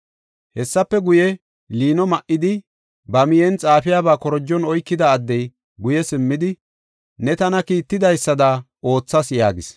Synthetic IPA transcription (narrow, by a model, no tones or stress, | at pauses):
hɛsːɐpːɛɡʊjɛ | liːnɔmɐʔːɪd̪ɪ | bɐmɪjɛnt͡sʼaːfɪjaːbaːkɔɾɔd͡ʒːɔnɔjkːɪd̪ɐːd̪ːɛj | ɡʊjɛsɪmːɪd̪ɪ | nɛt̪ɐnɐkiːt̪ːɪd̪ɐjsːɐd̪ɐ | o̞ːt͡sːɐsjaːɡɪs